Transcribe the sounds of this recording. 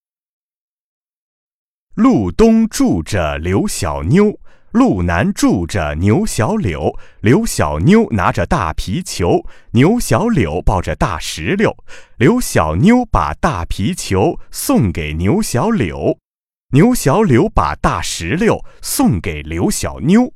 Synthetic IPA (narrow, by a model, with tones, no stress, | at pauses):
lu˥˩t̪ʊ˥ŋʈ͡ʂu˥˩ʈ͡ʂə˩ljo˧˥ʊɕjɑ̰˨˩ʊnjo˥ʊ | lu˥˩na˧˥nʈ͡ʂu˥˩ʈ͡ʂə̰˩njo˧˥ʊɕjɑ˧˥ʊljo̰˧˥˦ʊljo˧˥ʊɕjɑ̰˨˩ʊnjo˥ʊna̰˧˥ʈ͡ʂə˧t̪a̰˥˩pʰi˧˥t͡ɕʰjo˧˥ʊnjo˧˥ʊɕjɑ˧˥ʊljo˨˩˦ʊpɑ˥˧ʊʈ͡ʂə˨t̪a̰˥˩ʂɻ̩˧˥ljo˥˩ʊljo˧˥ʊɕjɑ̰˨˩ʊnjo˥ʊpa̰˨˩t̪a˥˩pʰi˧˥t͡ɕʰjo˧˥ʊsʊ˥˩ŋke˨˩ɪnjo˧˥ʊɕjɑ˧˥ʊljo˨˩˦ʊ | njo˧˥ʊɕjɑ˧˥ʊljo˧˥ʊpa̰˨˩t̪a˥˩ʂɻ̩˧˥ljo˥˩ʊsʊ˥˩ŋke˨˩ɪljo˧˥ʊɕjɑ̰˨˩ʊnjo˥ʊ